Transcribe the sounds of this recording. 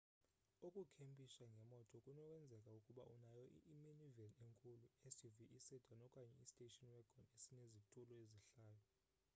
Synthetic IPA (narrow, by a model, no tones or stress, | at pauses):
ukʼukʰempʼisaŋɡʱɛmɔtʼɔkʼunɔk̬ʼɛnd͡zʱɛkʼaukʼuɓa̰ʔunajɔʔiʔːminivɛneŋkʰʼuluesiviʔisɛdʰʱanɔkʼaɲɛistʼetʼɔnwɛɡ̥ʱɔnesinezitʼulɔeziɬaːjɔ